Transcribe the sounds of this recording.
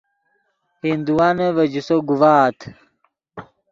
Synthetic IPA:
hind̪uwaneʋɐd͡ʑusoɡuvaːt̪ʰ

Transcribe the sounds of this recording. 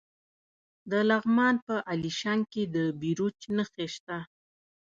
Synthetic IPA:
d̪əlaɣmɑnpəʔaliʃaŋked̪əbiɾut͡ʃnəxeʃt̪a

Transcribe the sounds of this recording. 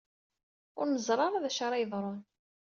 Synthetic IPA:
ʊɾnəzˤɾˤɑɾˤaðæʃɑɾˤɑjəðˤɾˤon

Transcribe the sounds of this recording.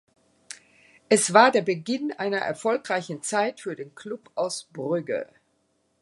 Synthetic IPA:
ʔɛsv̥aːɐdeːɐbəɡɪnʔa̰ɪnɐʔɛ̰ɐfɔlkʁ̥aɪçn̩t͡saɪtfyːɐdeːnkʰlʊpʔaʊsb̥ʁʏɡə̰

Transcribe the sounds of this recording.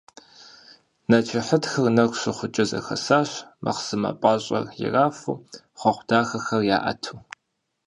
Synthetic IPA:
nɐt͡ʃʰɪħədxɐrnɐkʷɕɨχʷʊt͡ʃʼɪzɐ̰xɐsaːɕmʔɐ̰qsɨmɐ̰pʼɑːɕʼɐ̰rjɪ̰raːfuː | χʷɔχʷd̥aːxɐxɐrja̰ːʔɐ̰tʰuː

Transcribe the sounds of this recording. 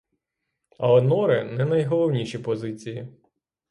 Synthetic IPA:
ɐ̰lˠɛnɔɾɪnɛnɐjɦɔlˠɔwnʲiʃʲipɔzɪt͡sʲiji

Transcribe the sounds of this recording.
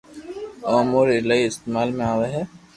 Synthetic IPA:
ɔːmoːɾɪlaːiɪst̪eːmaːlmẽaːʋeɦɛː

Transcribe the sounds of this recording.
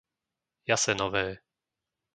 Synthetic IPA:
jasɛnɔvɛː

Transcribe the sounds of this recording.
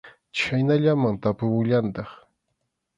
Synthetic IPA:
t͡ʃajnaʎamaŋt̪apʊwʊʎant̪ɑχ

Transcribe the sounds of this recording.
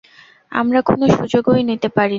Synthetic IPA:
a̰mɾako̰noʃud͡ʑoɡojnit̪epaɾi

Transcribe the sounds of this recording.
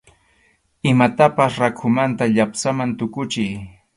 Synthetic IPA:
ɪmat̪apasɾakʰʊmant̪aʎapsamant̪ʊkʊt͡ʃɪj

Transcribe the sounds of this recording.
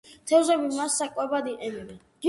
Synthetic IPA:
t̪ʰɛzɛbimasːakʼwɛbad̪iʔɛmiɾɛ | ɡ̥i

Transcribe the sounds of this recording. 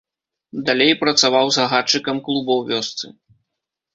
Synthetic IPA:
d̪alʲejpɾɐt̪savawzɣɐɣat͡ʂːɨkɐmklˠubɐwvʲɔst̪sɨ̰

